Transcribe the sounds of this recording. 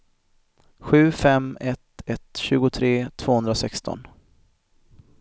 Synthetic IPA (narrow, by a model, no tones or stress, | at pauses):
ɧʉ̟ːfɛmɛt̪ɛt̪ɕʉ̟ːɡʊt̪ʰɾeːt̪ʰv̥oːhɵnd̪ɾasɛkst̪ɔ̰n